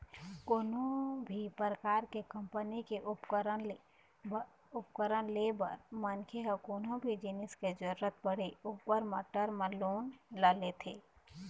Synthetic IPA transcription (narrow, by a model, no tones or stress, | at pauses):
koːnõbʱipɾəkaːɾkekə̃mpənikeʔʊpkəɾə | ʊpkəɾənlebə̰ɾmənkʰeɦəkoːnõbʱid͡ʒɪnɪsked͡ʒəɾuɾət̪̚bəɽ̤eupəɾməʈəɾmẽloːnlalet̪ʰeː